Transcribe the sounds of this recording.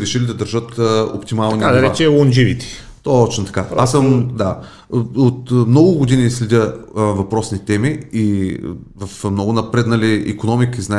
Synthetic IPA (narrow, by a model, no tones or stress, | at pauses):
ɾɛʃilid̪ɐd̪əɾʒɤt̪ːo̰pt̪imalˠniad̪ɐɾɛt͡ʃɛlˠond͡ʒivit̪ɛ̥ | t̪ot͡ʃnot̪ɐ̥kaɾasəmd̪a | ot̪mnɔɡʊɡod̪inislɛd̪ʲəvɐpɾɔsnit̪ɛmii | vɐfmnɔɡʊnɐpɾɛt̪nɐliḭkonɔmikəizna